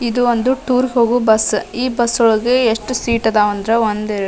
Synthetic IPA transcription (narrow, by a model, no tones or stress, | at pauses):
id̪uond̪uʈuːɾɡeɦo̞ːɡubɐsiːbɐsːɔɭɡeeʂʈusiːʈɐd̪aːʋɐnd̪ɾeond̪